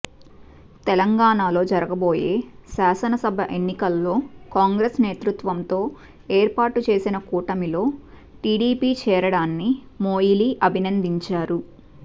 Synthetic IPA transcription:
t̪ɛlɐŋɡaːɳaːlo̞ːd͡ʒɐɾɐɡɐbo̞ːje̞ːsaːʃɐnɐsɐbʱɐʔe̞nːikɐlːo̞ːkaːŋɡɾesne̞ːt̪ɾut̪ʋɐnt̪o̞ː | eːɾpaːʈut͡ʃe̞ːsinɐkuːʈɐmilo̞ː | ʈiːɖiːpiːt͡ʃɛːɾɐɽaːnːi | moːjiliʔɐbʱinɐnd̪iɲt͡ʃaːɾu

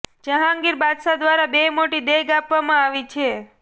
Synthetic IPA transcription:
d͡ʒəɦãŋɡiɾbad̪sad̪ʋaɾabemoʈid̪eɡapʋamãaʋit͡ʃʰe

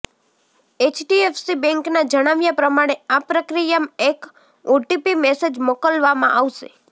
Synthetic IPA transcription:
et͡ʃʈiefsibɛ̃ŋknad͡ʒəɽ̃aʋjapɾəmaɽ̃eapɾəkɾijəmek | oʈipimesed͡ʒmokəlʋamã̰ʔaʋʃe

